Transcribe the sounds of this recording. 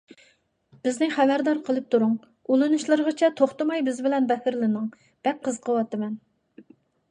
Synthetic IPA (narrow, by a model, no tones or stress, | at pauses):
b̥ɪznɪχæbæɾd̪ɑɾqʰəlˠɨp̚t̪ʰuɾuŋ | ulˠɨnuʃlˠɨɾʁət͡ʃʰɛt̪ʰoχt̪ɨmɑjbɪzbɪlɛnbɛhɪɾlɪnɨŋ | b̥ɛk̚qʰːəzqʰəwɑt̪ɨmɛn